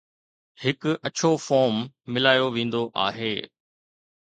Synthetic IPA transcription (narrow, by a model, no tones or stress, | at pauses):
hɪkɐt͡ɕʰofɔːɾmːɪlaːjoʋẽːn̆d̪oʔa̰ːɦeː